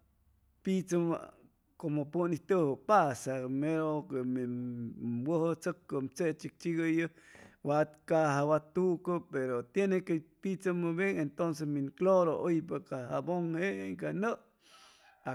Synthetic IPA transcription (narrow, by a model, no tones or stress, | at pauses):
pit͡sə̰ | komopuniht̪əhəpasameɾokemi | bəhət͡səkːəmt͡seʔt͡ʃik̚t͡ʃiɡəjəwat̪kaɦawat̪uʔkəpeɾot̪jenekepit͡səməbjeŋent̪ons̬esminkloɾoʔojpakahaboŋhekanəʔ | a